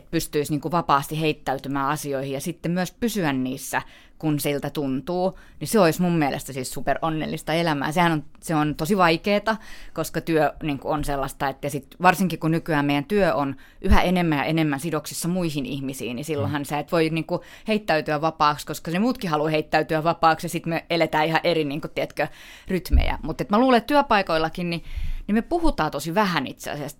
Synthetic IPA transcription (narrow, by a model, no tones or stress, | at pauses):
et̪̚pyst̪yisniːŋkuʋɑpɑːst̪iheit̪ːæyt̪ymæːɑsioihijɑsit̪ːemmyøspysyænniːsːæ | kunsilt̪æt̪unt̪uː | niseoismummielʔḛst̪æsissuperʔonːḛlːist̪ɑelæmæ̰ːsehænonseont̪osiʋɑikeːt̪ɑkoskɑt̪yøniːŋkuonselːɑst̪ɑet̪ːjɑsit̪ʋɑrsiŋkikunykyæːmeijænt̪yøʔon | ʔyhæenemːæjɑ̰ʔenemːænsidoksisːɑmuihinḭhmisḭːnisilːohɑnseæˑit̪ʋoiniːŋku | heit̪ːæyt̪yæʋʋɑpɑːkskoskɑnemuːt̪kihɑluheit̪ːæyt̪yæʋʋɑpɑːksjɑsit̪meelet̪æːihɑʔeriniːŋkut̪ːiæt̪kø | ryt̪mḛjæ̰mut̪ːet̪mæluːlet̪t̪yøpɑikoilˑːɑkinninimepuhut̪ɑːt̪osiʋæhænḭt̪sḛɑ̰sæst̪